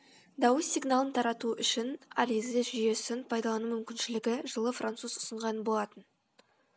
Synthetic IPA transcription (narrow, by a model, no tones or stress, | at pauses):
d̪ɑwəsʲːiɡnalˠənt̪ʰɑɾɑt̪uʔʏʃɪnaɾizeʒʏje̞sɪnpʰɑjd̪ɑlˠɑnumʏmkʲɪnʃɪlɪɡʲɪʒəlˠəfrant̪suzʊ̥səɴʁɑnənbo̞lˠɑt̪ən